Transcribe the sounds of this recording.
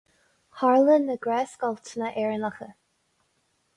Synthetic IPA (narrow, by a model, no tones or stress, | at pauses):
haɹlənːəɡɾɛːskɔltʰənəʔɛɹənaxə